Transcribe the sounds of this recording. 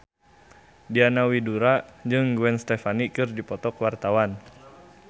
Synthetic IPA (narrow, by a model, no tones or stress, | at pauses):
dianawiduɾad͡ʒɨŋɡuɛnst̪ɛfanikɨrdipɔt̪ɔkwart̪awan